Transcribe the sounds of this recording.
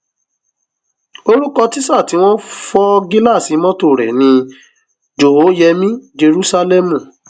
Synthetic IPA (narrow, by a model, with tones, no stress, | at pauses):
o˦ɾu˦kɔ˧ti˦sa˦˨ti˨˦w̃ɔ̃˦fɔ˦ɡi˦la˦˨si˨˦mɔ̃˦to˦˨ɾɛ̰˨nĩ˧ | d͡ʒo˨o˨˦jɛ˧mĩ˦d͡ʒe˧ɾu˦sa˦lɛ˦mũ˨